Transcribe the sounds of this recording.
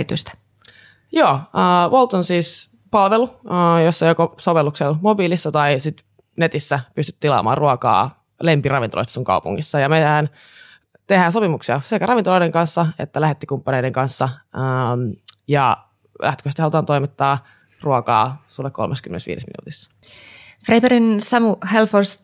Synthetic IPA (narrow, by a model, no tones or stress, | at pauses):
it̪yst̪æ̥ | joːəːʋolt̪onsiːs | pɑlʋeluəjosːɑjokosoʋelːukselmobiːlisːɑt̪ɑisit̪ | ne̞t̪isːæpyst̪yt̪t̪ilɑ̰ːmɑ̰ːruokɑ̰ː | lempirɑʋint̪olo̰st̪ɑ̥suŋkɑ̰upṵŋːisːɑjɑmeæːn | t̪ehæːnsopimuksiɑsekærɑʋint̪oloideŋkɑnsːɑḛt̪ːælæhet̪ːikumpːɑneideŋkɑnsːɑəmjɑ | læ̰ht̪køst̪hɑlut̪ɑːnt̪o̞imit̪ːɑː | ruokɑ̰ːsulːekolmeskymḛnesʋḭːdesmḭnṵːt̪is | frebeɾinsɑmuhelfors